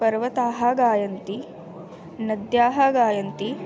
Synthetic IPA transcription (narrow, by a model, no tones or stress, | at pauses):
pɐɾʋɐt̪aːɦɐɡaːjɐnt̪i | nɐd̪jaːɦɐɡaːjɐnt̪i